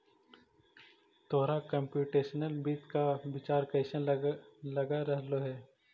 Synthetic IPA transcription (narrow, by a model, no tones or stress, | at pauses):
t̪oːɾakɐ̃mpjuːʈeːʃənəlbiːt̪kaʋɪt͡ʃaːɾkɐɪʃənlɐɡaɾɐɦloɦɛː